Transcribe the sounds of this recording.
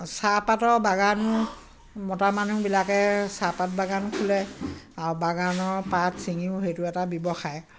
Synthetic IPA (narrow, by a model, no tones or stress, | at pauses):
sapatɔɹbaɡanʊ | mɔtamanubilakɛsapat̚baɡankʰulɛaɹubaɡanɔɹpatsiŋiʊɦejtʊɛtabjɔbɔxaj